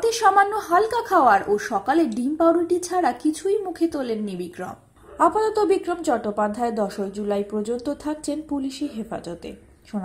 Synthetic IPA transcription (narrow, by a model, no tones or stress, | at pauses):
t̪eʃɔmanːoɦalkakʰaoaɾʔoʃɔkaleɾɖimpaɽulʈit͡ɕʰaɾakit͡ɕʰujmukʰet̪olenːibikɾo̰m | apat̪ɔt̪obikɾomt͡ɕɔʈːopad̪ʱːaed̪ɔʃok̚d͡ʑulajpɾod͡ʑot̪ot̪ʰak̚t͡ɕʰenpuliʃeɦefa̰d͡ʑɔt̪ḛ | ʃona